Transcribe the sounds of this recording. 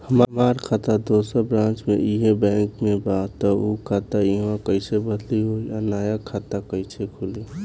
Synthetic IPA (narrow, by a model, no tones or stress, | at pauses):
həmmaɾkʰat̪ad̪osəbɾãnt͡ʃmeʔiɦebɛ̃ːŋkmebat̪ɔukʰaːt̪aiɦãkəɪsebəd̪liɦoianaːjakʰat̪akəɪt͡ʃʰekʰuli